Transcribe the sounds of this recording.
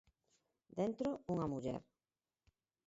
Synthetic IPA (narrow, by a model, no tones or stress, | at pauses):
d̪ent̪ɾouŋamuʎɛ̰ɾ